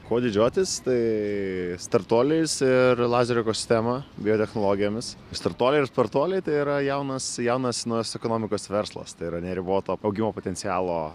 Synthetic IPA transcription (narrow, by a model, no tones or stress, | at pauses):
koːd̪ʲɪd͡ʒʲuɔt̪ʲɪst̪ɐɪ | st̪ɐrt̪oːlʲɛɪsɪɾlˠɑːzʲɛɾʲɪkoːsʲɪ̥sʲt̪ʲæmɐbʲɪjoːt̪ʲɛxnoːlˠoːɡʲɪjoːmʲɪsst̪ɐrt̪oːlʲɛɪɪɾspɐɾt̪oːlʲɛɪt̪ɐɪiɾɐjɛʊnɐsjɛʊnɐsnɐʊjoːsɛkoːnoːmʲɪkoːsʋʲɛɾslˠɐ̰st̪ɐɪiɾɐnʲɛɾʲɪboːt̪oːɐʊɡʲɪmoːpoːt̪ʲɛnʲsʲɪjæːlˠoː